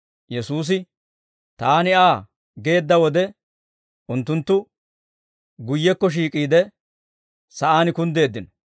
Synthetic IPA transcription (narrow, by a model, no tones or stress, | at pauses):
jɛsuːs̬ɪ | t̪aːnɪaː | ɡe̞ːd̪ːɐwɔd̪ɛ | ʔʊnt̪ːʊnt̪ːʊ | ɡʊjːɛkːɔʃ̬iːkʼiːd̪ɛ | sɐʔaːnɪkʊnd̪e̞ːd̪ːɪnɔ